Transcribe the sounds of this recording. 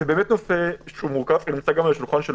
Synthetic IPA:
ebeːmet̪nofeʃumuʁkafnimt͡saɡamalaʃilχanʃel

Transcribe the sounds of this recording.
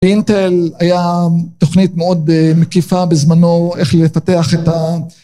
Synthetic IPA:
bint̪elajat̪oχnitmeo̞d̪mekifabezmano̞eχlefateaχeta

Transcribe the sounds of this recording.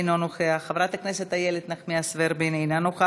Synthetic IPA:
nonoχeaχavɾat̪akneset̪ajeled̪naχmiasveɾbenejnanoχa

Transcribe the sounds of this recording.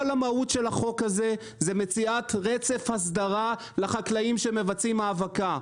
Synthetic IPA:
olamautʃelhaχo̞khaze̞ | zemet͡siatʁet͡se̞fhas̬d̪aʁa | laχaklaimʃeme̞vat͡simaːvaka

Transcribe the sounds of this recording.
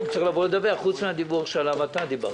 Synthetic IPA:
ut͡saiχlaːvoled̪aveaχut͡smead̪ibuʁʃealamat̪ad̪iba̰ʁ

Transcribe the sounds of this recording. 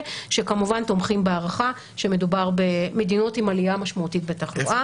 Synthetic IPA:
ʃe̞kamuvanto̞mχimbeaʁaχa | ʃe̞me̞dubaʁbe̞me̞dino̞timaliamaʃmautit̚betaχluʔa

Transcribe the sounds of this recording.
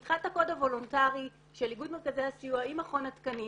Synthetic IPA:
tχaltako̞dhavo̞lontaʁi | ʃelːiɡudme̞ʁkazehasiuaimaχo̞natkani

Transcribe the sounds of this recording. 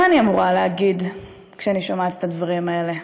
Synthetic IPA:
aaniamuʁaleaɡid̪ | kʃeaniʃomat̪e̥t̪advaʁimae̞le̞

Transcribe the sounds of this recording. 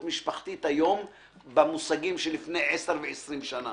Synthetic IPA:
tmiʃpaχt̪it̪ajo̞m | bemusaɡimʃelifne̞jʕeseʁveesʁimʃana

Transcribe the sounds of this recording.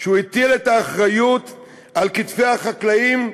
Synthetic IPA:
ʃeuit̪ile̞t̪aːχʁajut̪ | alkit̪fe̞jaχaklaim

